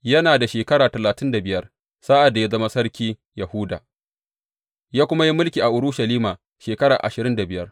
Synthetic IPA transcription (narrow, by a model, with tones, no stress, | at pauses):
jɐ˦naː˨da˨ʃeː˨kɐ˦ɽaː˨tɐ˨laː˨tɪ˦nda˨bɪ˦jɐ˦r | saː˦ʔa˨dːa˨ja˦zɐ˦ma˦sɐ˦ɽkʲiː˦ | jɐ˨hʊ˦da̰ː˨ | jaː˦kʷʊ˦ma˦ji˦mʊ˦lkʲiː˨ʔa˨ʔʊ˨ɾʊ˦ʃɐ˨liː˦maː˨ | ʃeː˨kɐ˦ɽaː˨ʔa̰˨ʃɪ˨ɾɪ˦nda˨bɪ˦jɐ˦r